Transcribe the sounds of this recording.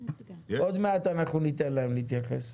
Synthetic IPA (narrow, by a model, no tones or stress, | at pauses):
ʔod̪meat̪anaχunit̪enlaemliit̪jaχḛs